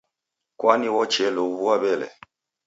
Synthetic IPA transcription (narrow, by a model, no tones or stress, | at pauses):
kwaniwɔt͡ʃɛloβuabɛlɛ̰